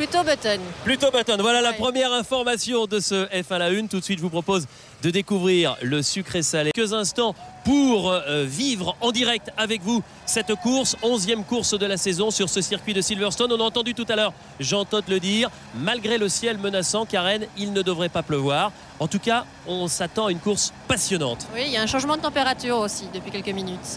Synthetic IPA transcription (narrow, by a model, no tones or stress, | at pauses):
pyt̪obat̪ɔnplyt̪obat̪ɔnvwalalapχəmjɛʁɛ̃fɔʁmasjɔ̃d̪əsəɛfɛ̃laynt̪ut̪sɥit̪ʒəvupχɔpoz | d̪əd̪ekuvʁiʁləsykχesalekəzɛ̃st̪ɑ̃puʁvivʁɑ̃d̪iʁɛk̚t̪avɛkvu | sɛt̪kuʁsɔ̃zjɛmkuʁsd̪əlasɛzɔ̃syʁsəsiʁkʲɥid̪əsilvɛʁst̪ɔnɔ̃naɑ̃t̪ɑ̃d̪yt̪ut̪alœʁ | ʒɑ̃t̪ɔt̪ləd̪iʁ | malɡʁeləsjɛlmənasɑ̃kaʁɛnilnəd̪əvʁɛpapləvwaʁ | ɑ̃t̪uka | ɔ̃sat̪ɑ̃aynkuʁspasjɔnɑ̃t̪wiljaɛ̃ʃɑ̃ʒmɑ̃d̪ət̪ɑ̃peʁat̪yʁosid̪əpɥikʲɛlkəminyt̪